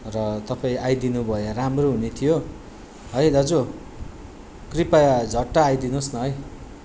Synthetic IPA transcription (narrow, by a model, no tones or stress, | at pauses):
rʌt̪ʌpaĩajd̪inubʱʌjoramroɦunet̪ʰijo | ɦʌjd̪ʌd͡zo | kripajd͡zʱʌʈːaːjd̪inosnʌɦʌj